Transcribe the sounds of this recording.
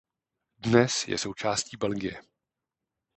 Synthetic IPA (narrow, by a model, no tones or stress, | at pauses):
dnɛsjɛ̰sowt͡ʃaːsciːbɛlɡɪjɛ